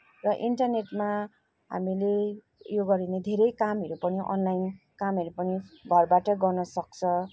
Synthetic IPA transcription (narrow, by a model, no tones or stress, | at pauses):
rʌʔiɳʈʌrneʈma | ɦa̰mile | joɡʌɾined̪ʱeɾʌjkamɦʌɾupʌniʔʌ̰nlajn | kamʌɾupʌniɡʱʌrbaʈʌɡʌrnʌsʌk̚t͡sʰʌ